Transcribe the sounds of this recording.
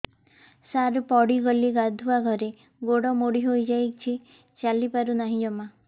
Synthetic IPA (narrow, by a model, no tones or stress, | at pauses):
saɾupɔɽiɡɔliɡad̪ʱuaɡʱɔɾe | ɡoɽɔmoɽiɦojd͡ʒajk̚t͡ʃʰi | t͡ʃalipaɾunaɦĩd͡ʒɔma